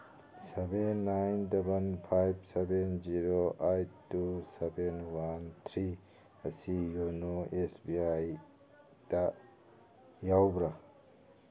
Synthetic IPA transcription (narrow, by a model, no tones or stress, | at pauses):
sebenːajndɐbɐnpʰajb̚sebenziɾoajtusebenwant̪ʰɾi | ɐsijonoesbiaj | d̥ɐ | jawbɾa